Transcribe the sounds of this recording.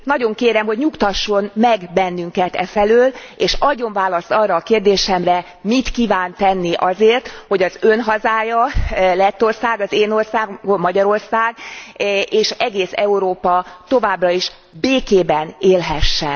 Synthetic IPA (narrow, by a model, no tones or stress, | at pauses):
nɒɟo̞ŋkeːɾɛmho̞ɟɲukt̪ɒʃːo̞nmɛɡbɛnːyŋkɛt̪ɛ̰fɛløːl | eːʃɒɟo̞ɱvaːlɒst̪ɒrːɒːkeːrd̪eːʃɛmrɛ | mit̪kiːvaːnt̪ɛnːiʔɒzeːrt̪ho̞ɟɒzønɦɒzaːjɒlɛt̪ːo̞rsaːɡɒzeːno̞rsaːɡɡommɒɟɒɾo̞rsaːɡ | ʔeːʃɛɡeːsɛuɾoːpɒt̪o̞vaːbrɒiʃ | beːkeːbɛneːlɦɛʃːɛ̰n